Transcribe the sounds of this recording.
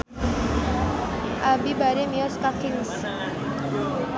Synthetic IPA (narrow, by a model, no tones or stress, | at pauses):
ʔabibaɾemiɔskakɪŋs